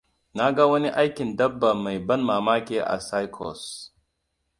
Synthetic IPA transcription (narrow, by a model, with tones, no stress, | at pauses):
naː˦ɡaː˦wɐ˦ni˦ʔa˦jki˨ndɐ˦bːɐ˨mɐ˨jbɐ˦nmaː˨maː˦kʲe˦ʔa̰˨saː˦jkʰo̰ː˨s